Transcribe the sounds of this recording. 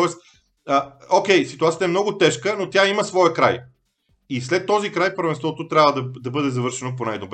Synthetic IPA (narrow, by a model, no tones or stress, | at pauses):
ɔɛst̪ | əokʲɛjsit̪uat̪sʲət̪əɛmnɔɡʊt̪ɛʃkənot̪ʲjaiməsvɔjəkɾa̰j | islɛt̪ːɔzikɾajfpəɾvɛnst̪vɔt̪ot̪ɾʲjavəd̪ɐd̪ɐbɤd̪ɛzɐvɤɾʃɛnop̬onajd̪ob